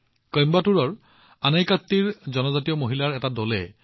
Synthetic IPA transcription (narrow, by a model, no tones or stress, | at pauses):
kɔjmbatuɹɔɹ | anajkat̪ːiɹzɔnɔzatiɔmoɦilaɹɛtadolɛ̰